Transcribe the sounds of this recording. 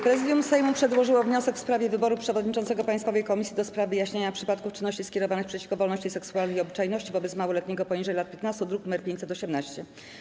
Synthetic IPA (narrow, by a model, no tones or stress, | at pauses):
pɾɛzɘd̪ʲjumsɛjmupʂɛd̪wɔʐɘwɔvɲɔsɛkfspɾavʲjɛvɘbɔɾupʂɛvɔd̪ɲit͡ʂɔnt̪sɛɡɔpajst̪fɔvɛjkɔmʲisʲjid̪ɔspɾavɘjaɕɲeɲapʂɘpat̪kuft͡ʂɘnːɔɕt͡ɕiskʲɛɾɔvanɘxpʂɛt͡ɕi̥fkɔvɔlnɔɕt͡ɕijsɛksuwalnɛjiɔbɘt͡ʂajnɔɕt͡ɕivɔbɛt̪smawɔlɛt̪ɲɛɡɔpɔɲiʐɛjlat̪̚pʲjɛt̪nast̪ud̪ɾuk̪mɛɾpʲeɲt͡ɕ̪ʲsɛt̪ɔɕɛmnaɕt͡ɕɛ